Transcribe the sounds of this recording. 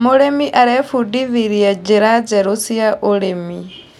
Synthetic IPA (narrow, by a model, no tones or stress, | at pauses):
mɔɺemiʔaɾɛfuɖiβiɾiad͡ʒɛɾad͡ʒɛɾusiaʔɔɺemi